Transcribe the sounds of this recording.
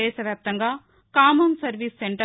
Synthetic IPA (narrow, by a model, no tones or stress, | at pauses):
ɛːʃɐʋjaːp̚t̪ɐŋɡaː | kaːmɐnsɐɾʋisːeɳʈɐ